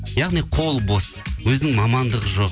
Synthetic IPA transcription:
jɑʁnijqʰolˠbo̞swɵzɪnɪŋmɑmɑnd̪əʁəʒo̞q

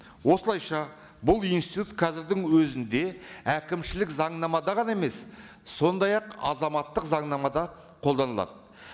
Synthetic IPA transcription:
wo̞səlˠɑjʃɑ | bʊlˠijnst̪it̪ut̪qʰɑzɪɾd̪ɪŋwɵzɪnd̪e̞ækʲɪmʃɪlɪkzɑɴnɑmɑd̪ɑʁɑneme̞s | so̞nd̪ɑjɑqɑ̰zɑmɑt̪ːəqzɑɴnɑmɑd̪ɑ | qʰo̞lˠd̪ɑnəlˠɑ̰d̪ə

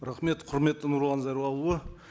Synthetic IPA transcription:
ɾɑχme̞t̪qʰʊɾme̞t̪ːɪnuɾlˠɑnzɑjɾwˠɑlˠuə

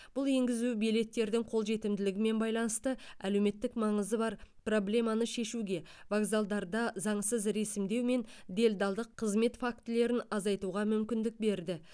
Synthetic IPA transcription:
b̥ʊlˠje̞ŋɡʲɪzubijle̞t̪ːe̞ɾd̪ɪŋqʰo̞lˠʒe̞t̪ɪmd̪ɪlɪɡʲɪme̞nbɑjlˠɑnəst̪əæ̰le̞wme̞t̪ːɪkmɑɴəzəbɑɾpro̞blʲe̞mɑnəʃe̞ʃuɡʲe̞vaɡzalˠd̪ɑɾd̪ɑzɑɴsəzɾe̞sɪmd̪e̞wme̞nd̪e̞ld̪ɑlˠd̪əqʰːəzme̞t̪fak̚t̪ɪle̞ɾɪnɑzɑjt̪uʁɑmʏmkʲɪnd̪ɪk̚be̞ɾd̪ɪ

